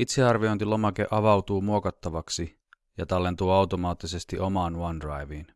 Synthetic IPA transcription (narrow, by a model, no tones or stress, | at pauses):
it̪se̞ɑrʋio̞jnt̪ilo̞mɑke̞̰ʔɑʋɑwt̪uːmuo̞kɑt̪ːɑʋɑksi | jɑt̪ɑlːe̞nt̪uːɑwt̪o̞mɑːt̪ːise̞st̪iʔo̞mɑːnwɑndrɑjʋiːn